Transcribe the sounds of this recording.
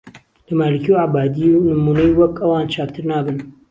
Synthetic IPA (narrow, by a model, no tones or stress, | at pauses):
lɐmaːlɨkijwʕabaːd̪iwnɨmuːnɐjwɐkʔɐwaːnt͡ʃʰaːpt̪ʰɨɾnaːbɨn